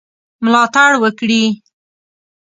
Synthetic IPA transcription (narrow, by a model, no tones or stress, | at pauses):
mlɑt̪aɽwəkɽi